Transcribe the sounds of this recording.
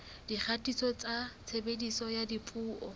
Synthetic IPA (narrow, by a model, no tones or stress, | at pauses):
d̥iχʰatʼisɔt͡sʼat͡sʰebedisɔjadipʼuːʔɔ